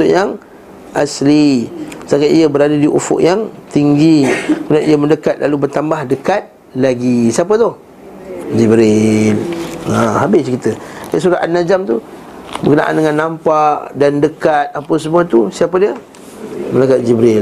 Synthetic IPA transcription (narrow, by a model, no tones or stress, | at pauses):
t̪ʊʔjaŋ | ʔaslisaŋɡaʔiəbəɾadadiʔṵfʊ̰ʔjaŋt̪iŋɡikunaʔijəməndəkat̪̚lalubərt̪ambahdəkat̪̚ | laɡisiap̬ət̪ʊh | d͡ʒibɾɪlahabɪskit̪ədasuɾaʔanad͡ʒamt̪u | bəɡəna̰ʔa̰ndəŋanːampaʔdandəkat̪̚apəsəmuat̪usiapədiə | mənakat̪̚d͡ʒibɾɪl